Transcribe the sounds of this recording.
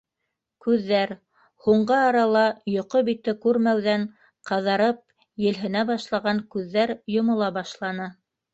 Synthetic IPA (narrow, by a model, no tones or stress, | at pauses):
kʉðːæɾ | huɴɢɤːɾɑlˠɑjŏqobit̪ːɘkʉɾmæwðæɴ | qɑðɑɾɤp̚ | jɘ̆lɦɘ̆næbɑʃlˠɑʁɑŋkʉðːæɾjŏmŏlˠɑbɑʃlˠɑnɤ